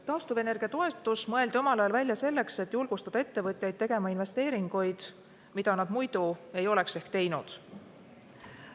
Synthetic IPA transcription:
t̪ɑːst̪uve̞ne̞rɡ̥iɑt̪o̞e̞t̪ːˑusmɤ̞e̞ld̪io̞mɑlɑjɑlvælʲjɑse̞lːe̞kse̞t̪ːˑjulɡ̥ust̪ɑd̪ɑe̞t̪ːe̞vɤt̪ʲˑjɑjd̪̚t̪e̞ɡ̥e̞mɑinve̞st̪e̞ːɾiŋɡ̥ujd̪̥ | mid̪̥ɑnɑd̪̥mujd̪ue̞jo̞le̞kse̞hkt̪e̞jnud̪̥

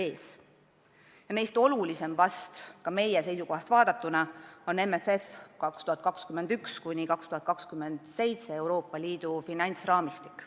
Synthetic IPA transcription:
e̞ːs | jɑne̞jst̪o̞lulise̞mvɑst̪kɑme̞jese̞jsuko̞ɦɑst̪vɑːd̪ɑt̪ːˑunɑo̞ne̞mefe̞fkɑkst̪uhɑt̪̚kɑkskymːe̞nd̪̥ykskujnʲikɑkst̪uhɑt̪̚kɑkskymːend̪̥se̞jt̪se̞e̞wɾo̞ːpːˑɑliːd̪̥ufinɑnʲt̪srɑːmist̪i̥kːˑ

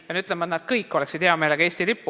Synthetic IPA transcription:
jɑnyt̪lemɑt̪næd̪̥̚kɤjkːo̞leksid̪̥heɑme̞ːleɡ̥ɑeːsʲt̪ilipːu

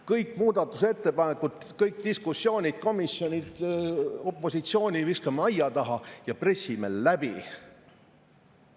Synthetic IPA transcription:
kɤjkːˑmuːd̪̥ɑt̪ːˑuse̞t̪ːe̞pɑnekːˑud̪̥ | kɤjkt̪iskusjo̞ːnʲid̪̥̚ko̞misjo̞nʲid̪̥o̞pˑːo̞sit̪sio̞ːnʲiviskɑmɑjjɑt̪ɑɦɑjɑpre̞sʲːimḛlːæb̥ḭ

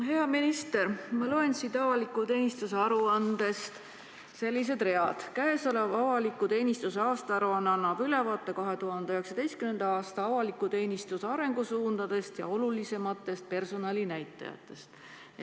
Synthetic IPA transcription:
ɦe̞ɑminist̪e̞ɾmɑloensid̪ɑvɑlikːˑut̪e̞ːnist̪useɑɾuɑnd̪̥e̞st̪ | se̞lʲːis̬e̞d̪̥re̞ɑd̪̥kæeso̞levɑvɑlikːˑut̪e̞ːnʲist̪useɑːst̪ɑɑɾuɑnːɑnːɑb̥yle̞vɑːt̪ˑːekɑɦe̞t̪uɦɑnd̪eøheksɑd̪e̞jst̪kymend̪̥ɑɑːst̪ɑɑvɑlikːˑut̪e̞ːnist̪useɑɾe̞ŋɡ̥usuːnd̪̥ɑd̪̥e̞st̪jɑ̰o̞lulise̞mɑt̪ːˑe̞st̪̚pe̞rso̞nɑlinæjt̪ːˑɑ̰jɑ̰t̪ˑːe̞st̪

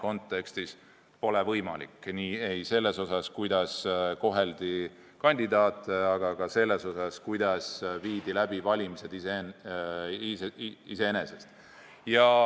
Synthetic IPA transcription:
ko̞nt̪ːˑe̞kst̪is | po̞levɤjmɑlḭkːniːe̞jse̞lːe̞so̞sɑskujd̪̥ɑsko̞ɦe̞ld̪̥i | kɑnʲd̪id̪ɑːt̪ːˑeɑɡ̥ɑɡ̥ɑse̞lːe̞so̞sɑskujd̪̥ɑsviːd̪̥ilæb̥ivɑlʲimise̞d̪ise | iise̞ene̞sest̪ | jɑ

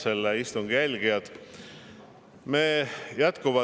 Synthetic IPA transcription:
selːeist̪uŋɡ̥jælʲɡ̥ijɑd̪̥ | meːjæt̪kuvɑ

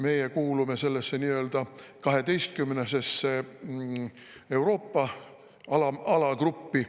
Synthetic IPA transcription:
me̞jekuːlume̞se̞lːesːeniːø̞ːld̪̥ɑkɑɦe̞d̪e̞jst̪̚kymːnese̞sːe | e̞wɾo̞ːpːɑ | ɑlɑɑlɑkrupːi

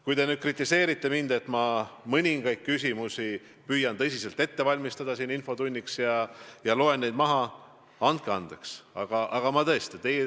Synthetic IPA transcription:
kujd̪e̞nyːd̪̥̚krit̪ːˑise̞ːɾit̪ːe̞mind̪̥e̞t̪mɑmɤnʲiŋɡ̥ɑjt̪̚kysʲimusi | pyjːɑnt̪ɤ̞s̬ʲiselt̪ːe̞t̪ːe̞vɑlʲmist̪ɑd̪̥ɑsiːninfo̞d̪unʲːiksjɑjɑlo̞e̞nːejd̪̚mɑɦɑ | ɑnt̪̚keɑnd̪̥eksɑ̰ɡ̥ɑʔɑɡ̥ɑmɑt̪ɤ̞est̪et̪ej

